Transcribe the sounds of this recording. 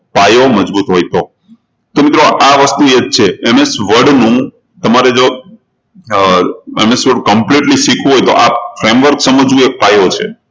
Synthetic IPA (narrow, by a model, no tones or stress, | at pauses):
pajoməd͡ʒbut̪ɦojt̪o | t̪omit̪ɾoʔaʋəst̪ued͡ʒ̚t͡ʃʰeːmesʋəɖnũ | t̪əmaɾed͡ʒo | emesʋəɖkəmpliʈlisikʰũɦojt̪o̰ʔap̚fɾemʋəɾksəməd͡ʒũek̚pajot͡ʃʰḛ